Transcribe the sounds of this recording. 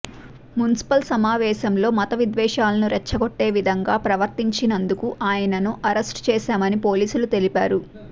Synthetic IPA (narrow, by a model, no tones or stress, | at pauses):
mjunisi̥pɐlsɐmaːʋɛːʃɐmlo̞ːmɐt̪ɐʋid̪ʋɛːʂaːlɐnuɾɛt͡ʃːɐɡoʈːe̞ːʋid̪ʱɐŋɡaːpɾɐʋɐɾt̪iɲt͡ʃinɐnd̪ukuʔaːjɐnɐnuʔɐɾesʈt͡ʃɛːʃaːmɐnipo̞ːliːsulut̪e̞lipaːɾu